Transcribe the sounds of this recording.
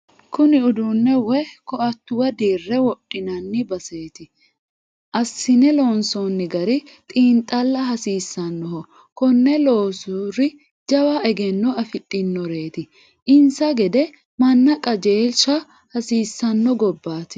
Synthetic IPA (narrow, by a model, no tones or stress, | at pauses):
kʊnɪʊd̪unːɛwɛkɔʔɐt̪ːʊwɐd̪iːrːɛwɔɗʼːɪnɐnːɪbɐseːt̪ɪ | ʔɐsːɪnɛloːnsɔnːɪɡɐɾɪt̪ʼiːnt̪ʼːɐlːɐɦɐsiːsːɐnːɔhɔ | kɔnːɛlo̞ːsuɾɪ | d͡ʒɐwaʔɛɡɛnːɔɐfɪt̪ʼːɪnːɔɾe̞ːt̪ɪ | ʔɪnsɐɡɛd̪ɛ | mɐnːɐkʼɐd͡ʒeːlʃɐ | hɐsiːsːɐnːɔɡɔbːaːt̪ɪ̥